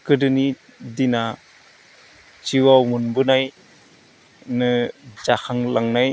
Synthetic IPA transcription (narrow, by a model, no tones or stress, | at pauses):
kɯdɯni | dina | t͡ʃiwamunbɯnaj | nɯd͡ʒaxʰaŋlaŋnaj